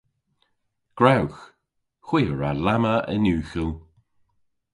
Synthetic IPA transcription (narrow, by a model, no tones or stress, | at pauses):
ɡ̥ɹawx | xwiːəɹalaməə̰nʉːxəl